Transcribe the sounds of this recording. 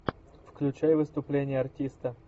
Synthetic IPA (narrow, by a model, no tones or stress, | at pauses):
fklʲʉt͡ɕajvɨst̪ʊplʲenʲɪjəɐrtʲist̪ə